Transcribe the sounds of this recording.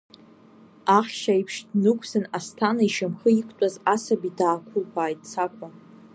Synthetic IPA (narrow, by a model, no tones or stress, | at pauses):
aχʲʃaipʰʂdnɨkʷʰsɨnastʰanaiʃamχəikʷʼtʼazasabidaːkʷʰʊlkʷʰaːjt̚ʼt͡sʰakʷʰʼa